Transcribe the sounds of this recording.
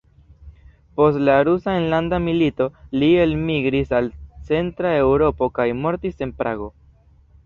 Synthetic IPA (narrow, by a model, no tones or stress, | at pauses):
po̞stlaɾusaenlandamilito̞lie̞lmiɡɾisalt͡se̞ntɾae̞wɾo̞po̞kajmo̞ɾtise̞npɾʔa̰ɡo̞